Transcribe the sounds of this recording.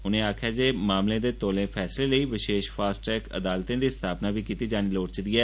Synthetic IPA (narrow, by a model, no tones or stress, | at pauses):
ʊnẽːaːkʰjaːd͡ʒeːmaːmlẽːd̪eːt̪oːlẽːpʰɛːsleːləiːʋɪʃeːʃpʰaːsʈɾɛːkə̰d̪aːlt̪ẽːd̪iːst̪ʰaːpnaːbiːkiːt̪iːd͡ʒaːniːloːʈt͡ʃəd̪iːɛː